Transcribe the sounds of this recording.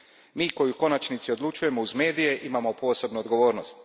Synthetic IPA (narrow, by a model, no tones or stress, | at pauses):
miːko̞juko̞nat͡ʃnit̪sio̞d̪lˠut͡ʃuje̞mouzme̞ːd̪ije̞ʔimamopo̞ːse̞bnuod̪ɡo̞ʋo̞ːɾno̞st̪